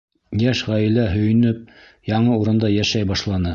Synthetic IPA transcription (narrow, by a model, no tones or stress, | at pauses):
jæʃʁæjɘ̆læɦɵ̆jɘ̆nɵp̚ | jɑɴɤuɾɤ̆nd̪ɑjæʃæjbɑʃlˠɑnɤ